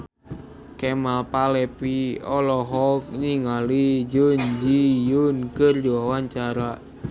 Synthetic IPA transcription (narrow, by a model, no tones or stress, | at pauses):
kɛmapalɛpiɔlɔɦɔk̚niŋalid͡ʒund͡ʒijunkərdiwawaɲt͡ʃaɾa